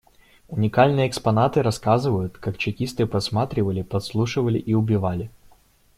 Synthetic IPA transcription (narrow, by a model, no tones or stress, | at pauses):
ʊnʲɪkalʲnɨjəːkspɐnat̪ɨɾɐskazɨvəjʊt̪kakt͡ɕɪkʲist̪ɨpɐsmat̪ɾʲɪvəlʲɪpɐt̪slˠuʂɨvəlʲɪ̰ʔiʊbʲɪvalʲɪ